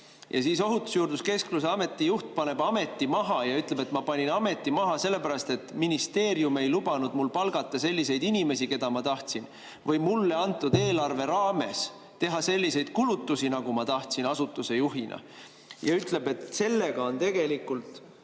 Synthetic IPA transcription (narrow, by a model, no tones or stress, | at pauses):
jʔɑ̰siːso̞ɦut̪ːˑu̥sjuːɾd̪uske̞skluseɑme̞t̪ːˑijuht̪̚pɑne̞bɑme̞t̪ːˑimɑɦɑjɑyt̪ˑle̞be̞t̪mɑpɑnʲinɑme̞t̪ːˑimɑɦɑse̞lːe̞pæɾɑst̪e̞t̪ˑːminist̪e̞ːɾjume̞jlub̥ɑnud̪̥mulpɑlɡ̥ɑt̪ˑːɑse̞lʲːise̞jd̪̥inʲime̞sike̞d̪̥ɑmɑt̪ɑht̪sin | vɤjmulːe̞ɑnt̪ːˑud̪e̞ːlɑrve̞ɾɑːme̞s | t̪e̞ɦɑse̞lʲːise̞jd̪̥̚kulut̪ːusinɑɡ̥umɑt̪ɑht̪sinɑsut̪ːˑuse̞juɦinʔɑ̰ | jɑ̰yt̪le̞be̞t̪se̞lːe̞ɡ̥ɑo̞nt̪e̞ɡ̥e̞likult̪